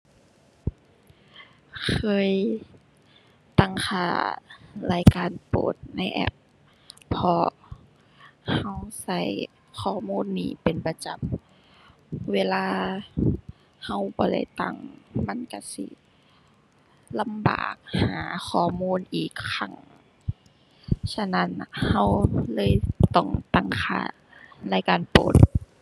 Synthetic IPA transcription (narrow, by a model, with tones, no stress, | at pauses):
kʰɤː˧˥˨j | t̪a˧˩˨ŋkʰaː˧˩laː˧˩˨jkaː˨npo̰ː˨˩t̪̚na˧˥˨jʔɛ̰˧˥p̚ʰː | ɔ˧ | ha˧˩wsa˧˩j | kʰɔː˧˩muː˧˥˨nːiː˧˩pe˨npa˧t͡ɕa˨˩m | weː˧˨laː˧ | ha˧˩wbɔː˨˦da˧˩jt̪a˧˩ŋma˧˥˨nka˧˩sḭ˧˦ | la˧˨mba̰ː˨˩k̚haː˨˦xʰɔː˧˩muː˧˥˨nʔiː˨˩kʰːa˧˩ŋ | sa˧na˧˥˨n˧ha˧˩˨wlɤː˧˥˨jt̪ɔ˧˩ŋt̪a˧˩ŋkʰa̰ː˧˩ | la˧˨jkaː˨npo̰ː˨˦t̪̚